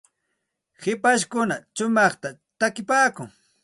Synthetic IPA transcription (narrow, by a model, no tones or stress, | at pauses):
hɪpaʃkʊnat͡ʃʊmɑχt̪at̪akɪpaːkʊŋ